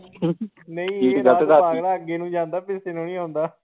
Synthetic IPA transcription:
nəĩːɡad̪aaːɡɽaːəɡeːnũːd͡ʒãːnd̪aːpɪsenõːnĩːɦõːnd̪aː

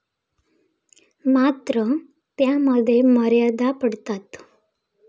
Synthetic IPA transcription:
mat̪ɾə | t̪jaməd̪ʱːjeməɾjad̪apəɽt̪at̪

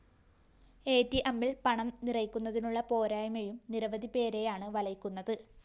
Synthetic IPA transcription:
e̞ːtːiʔɐmːilpɐɳɐmnirɐjkʲːunːɐðinuɭːɐpo̞ːɾaːjɐmejumniɾɐʋɐðipe̞ːɾe̞jaːɳɨʋɐlɐjkʲːunːɐðɨ

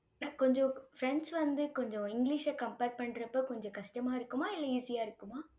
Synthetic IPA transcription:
nãːkɔɲd͡ʒɔ̃fɾɛnsʋɐnd̪ɯkɔɲd͡ʒɔ̃ɪŋɡliʂɐkɐmpeːɾʈ̚pɐɳːɾɐpːoːkɔɲd͡ʒɔ̃kɐʂʈɐmaːɪɾɯkːɯmaːɪlːɐiːsɪjaːɪɾɯkːɯmaː

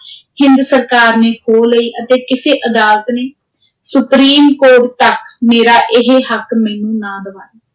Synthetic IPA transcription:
hɪnd̪səɾkaːɾneːkoːləiːʔət̪eːkɪseːʔəd̪aːlət̪neː | sʊpɾiːmkoːʈt̪əkmeːɾaːʔɪɦeːɦəkmɛ̃ːnũːnãːd̪əʋaːnaː

